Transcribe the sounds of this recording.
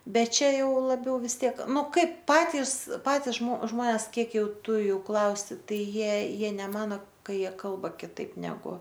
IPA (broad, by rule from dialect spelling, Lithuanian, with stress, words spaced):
ˈbʲɛt ˈt͡ʃʲɛ ˈjɛʊ lˠɐˈbʲɛʊ ʋʲɪs ˈtʲiɛk ˈnʊ ˈkɐɪp ˈpɑːtʲɪs ˈpɑːtʲɪs ʒmoː ˈʒmoːnʲɛs ˈkʲiɛk ˈjɛʊ ˈtʊ ˈjuː ˈklˠɐʊsʲɪ ˈtɐɪ ˈjiɛ ˈjiɛ nʲɛˈmɑːnoː ˈkɐ ˈjiɛ ˈkɐlˠbɐ kʲɪˈtɐɪp nʲɛˈɡʊ